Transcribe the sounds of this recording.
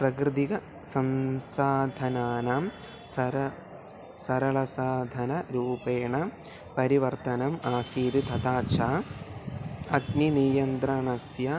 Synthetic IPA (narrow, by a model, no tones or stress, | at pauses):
pɾɐɡɾɨd̪iɡɐ | sɐnsaːd̪ʱɐnaːnɐm | sɐɾɐ | sɐɾɐɭɐsaːd̪ʱɐnɐɾuːpeːɳɐ | pɐɾiʋɐɾt̪ɐnɐmaːsiːd̪it̪ʰɐt̪aːt͡ʃʰaː | ɐɡninijɐnt̪ɾɐɳɐsjɐ